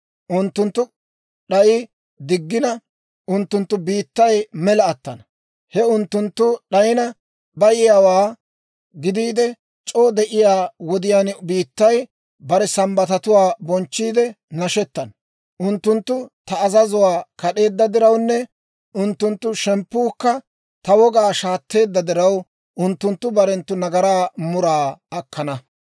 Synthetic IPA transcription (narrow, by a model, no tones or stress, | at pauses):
ʔʊnt̪ːʊnt̪ːʊ | ɗɐjɪ | d̪ɪɡːɪnɐ | ʔʊnt̪ːʊnt̪ːʊbiːt̪ːɐjmɛlɐːt̪ːɐnɐ | hɛʊnt̪ːʊnt̪ːʊɗɐjɪnɐ | bɐjɪjaːwaː | ɡɪd̪iːd̪ɛ | t͡ʃʼoːd̪ɛʔɪjaːwɔd̪ɪjaːnbiːt̪ːɐj | bɐɾɛsɐmbɐt̪ɐt̪ʊwaːbɔnt͡ʃːiːd̪ɛ | nɐʃɛt̪ːɐn | ʔʊnt̪ːʊnt̪ːʊt̪ɐːzɐzʊwaːkɐɗe̞ːd̪ːɐd̪ɪɾɐwnːɛ | ʊnt̪ːʊnt̪ːʊʃɛmpːuːkːɐ | t̪ɐwɔɡaːʃaːt̪ːe̞ːd̪ːɐd̪ɪɾɐw | ʔʊnt̪ːʊnt̪ːʊbɐɾɛnt̪ːʊnɐɡɐɾaːmʊɾaːɐkːɐnɐ